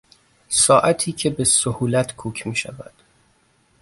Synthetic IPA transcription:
sɒːʔæt̪ʰiːcʰe̞besohuːlæt̪ʰkʰuːcʰmiːʃævæ̰d̪̥

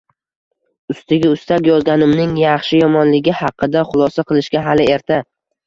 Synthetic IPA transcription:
ʊst̪ɪɡʲɪʊst̪akʲjɒzɡʲanɪmnɪŋjɑχʃɪjɒmɒnlɪɡʲɪhɑqʰːɨd̪aχʊlˠɒsaqʰɨlˠɪʃkʲaɦalɪe̞ɾt̪ʰa

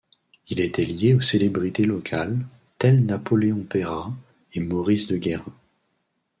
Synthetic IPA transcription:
ilet̪ɛljeoselebʁit̪elɔkʰal | t̪ɛlnapɔleɔ̃peʁa | emɔʁisd̪əɡʲɛʁɛ̃

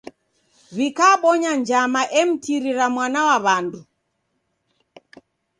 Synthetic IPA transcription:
βikaːɓɔɲand͡ʒamaʔɛm̩tiɾiɾamwanawaβandu

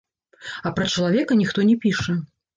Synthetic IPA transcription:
ɐpɾɐt͡ʂɐlˠavʲɛkɐnʲixt̪ɔnʲɛpʲiʂɐ

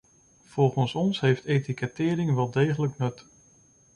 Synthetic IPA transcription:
v̥ɔlˠχənsɔnsɦejftetikɛtɪːɾɪŋʋɛlˠdejχələknɵt

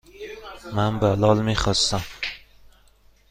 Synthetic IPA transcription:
mænbalɒːlmiχɒst̪æm

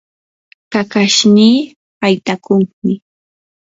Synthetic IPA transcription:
kakaʃniː | hajt̪akʊŋmɪ

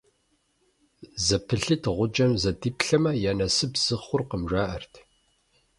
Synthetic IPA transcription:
zɐpʰɨɬɨtʰʁʷʊd͡ʒɐmzɐdiːpɬɐmɐjaːnɐsɨbz̥ɨχʷʊrqəmʒaːʔɐrtʰ

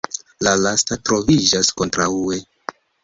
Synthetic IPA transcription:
lalastatɾo̞vid͡ʒasko̞ntɾaue

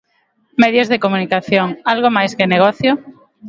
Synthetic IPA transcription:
með̞jozðekomunikaθjoŋalɣ̞omajskeneɣ̞oθjo

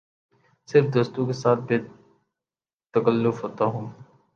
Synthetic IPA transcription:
sɪɾfd̪oːst̪õkesaːt̪̚ʰbʱe | t̪əkəlːʊfɦoːt̪aɦũː

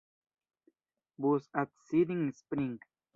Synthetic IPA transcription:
busat̪sid̪ĩŋspɾĩŋɡ

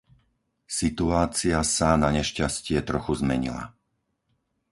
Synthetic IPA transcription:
sit̪uaːt͡siasanaɲɛʃcascɪɛt̪ɾɔxuzmɛɲḭla̰

